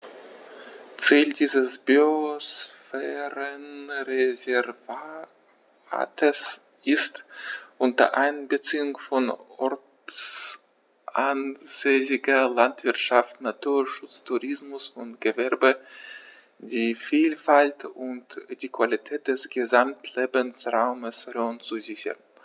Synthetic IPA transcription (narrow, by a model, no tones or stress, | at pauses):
t͡siːldiːzəsb̥yosfɛːʁənʁezɛʁva | a̰ːtʰəs | ʔɪstʔʊntɐ̰ʔaɪnbət͡siːʊŋfɔnɔɐ | t͡s | ʔʔanz̥eːsɪɡɐlantv̥ɪɐtʃaftnatuːɐʃʊt͡stʰuʁɪsmʊsʊntɡ̥əvɛɐbə | d̥iːfiːlfaltʊntd̥iːkv̥alitʰɛːt̚d̥ɛsɡ̥əzamtʰleːbənsʁaʊməsʁɔnt͡suzɪçɐ̰ʁn